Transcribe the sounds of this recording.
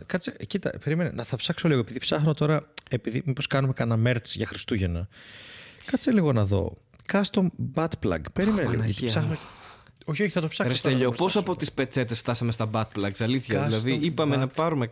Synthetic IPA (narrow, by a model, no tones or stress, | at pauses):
kɐt͡secit̪ɐ̰pe̞ɾime̞nḛnɐθɐpsɐkso̞liɣo̞e̞piðipsɐxnot̪o̞ɾɐe̞piðḭmipo̞skɐnume̞kɐnɐme̞ɾt͡sʝɐxɾist̪uʝe̞nɐ | kɐt͡seliɣo̞nɐðo̞̰ | kɐst̪o̞mbɐt̪plɐ̰ɡpe̞ɾime̞nelḭo̰ɐt̪iipsɐxno | oçioçiθɐt̪o̞psɐkɾsest̪eʎospo̞sɐpo̞t̪ispe̞t͡se̞t̪esft̪ɐsɐmest̪ɐbɐt̪̚plɐɡsɐliθçɐðilɐðiipɐmenɐpɐɾume